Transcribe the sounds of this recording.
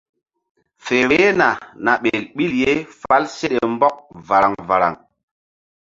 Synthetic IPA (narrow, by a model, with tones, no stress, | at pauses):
fe˨ɾe˨˦na˨na˨ɓe˨lɓi˦lje˦fa˦lse˦ɗe˨mbɔ˦k̚va˨ɾa˨ŋva˨ɾa̰˨ŋ